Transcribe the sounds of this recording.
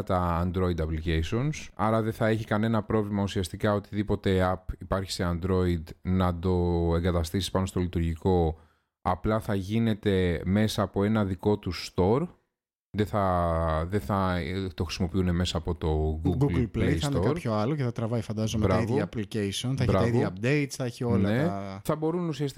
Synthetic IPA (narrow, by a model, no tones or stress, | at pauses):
t̪ɐːnd̪ɾo̞id̪ɐpliceisio̞nsɐɾɐðe̞θɐe̞çikɐne̞nɐpɾo̞vlimɐusiɐst̪ikɐo̞t̪iðipo̞t̪e̞ɐpipɐɾçi̥se̞ɐnd̪ɾo̞id̪nɐd̪o̞e̞ŋɡɐt̪ɐst̪isi̥spɐno̞st̪olit̪uɾʝiko̞ | ɐplɐθɐʝine̞t̪e̞me̞sɐːpo̞e̞nɐðiko̞t̪usːt̪o̞ɾ | ðeθɐðeθɐt̪o̞xɾi̥simo̞piune̞me̞sɐːpo̞t̪o̞ɡuɡuɡllpllejsɐt̪oɐɾpçoɐloceθɐt̪ɾɐvɐjfɐnd̪ɐzomeɾɐivoɐːplicejsionθɐɾɐɐɐivoɐɐp̚d̪ejt̪sθɐeçio̞nlɐne̞θɐbo̞ɾunusiɐst̪i